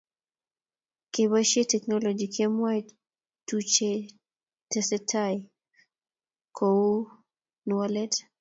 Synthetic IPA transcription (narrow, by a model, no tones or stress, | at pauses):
keβaʃetɛknɔlɔd͡ʒikʰɛmwaj | tut͡ʃe | tɛsɛtʰaj | kʰou | nualɛt